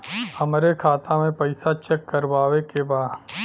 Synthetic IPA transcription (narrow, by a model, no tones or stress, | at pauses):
ɐmɾekʰaːt̪amẽpɐɪsat͡ʃɛkːɐɾʋaːʋekebaːd̪